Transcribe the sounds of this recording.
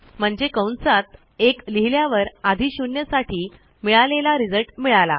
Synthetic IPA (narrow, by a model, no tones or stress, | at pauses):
m̤əɳd͡ʑekəwnsat̪̚ | ekliɦljaʋəɾad̪ʱiɕuɳjəsaʈiː | miɭalelaɾid͡zəlʈmiɭala̰